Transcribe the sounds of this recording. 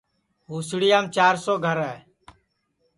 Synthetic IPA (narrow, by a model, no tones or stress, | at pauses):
ɦuːsɽɪːaːmt͡ʃaːɾsoːɡʱəɾɛː